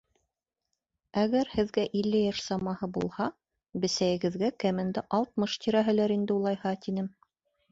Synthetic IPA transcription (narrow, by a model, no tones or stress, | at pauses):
æɣæɾhɘ̆ðɡæʔilːɘjɑʃsɑmɑhɤbṵlˠhɑ | bɘ̆sæjɘ̆ɡɘ̆ðɡækæmɘ̆nd̪ɘʔɑlˠt̪̚mɤʃt̪iɾæɦɘ̆læɾind̪ɘulˠɑjhɑt̪inɘm